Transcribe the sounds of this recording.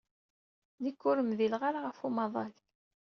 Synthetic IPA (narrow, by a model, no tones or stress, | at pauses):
nikːʊɾəmðilʁaɾaʁəfumɑðˤɑl